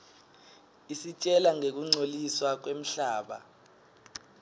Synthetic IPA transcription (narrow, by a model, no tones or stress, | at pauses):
isit͡ʃʼɛlaŋek̬uŋ͡ǀʱoliswak̬wem̩ɬaːɓa̰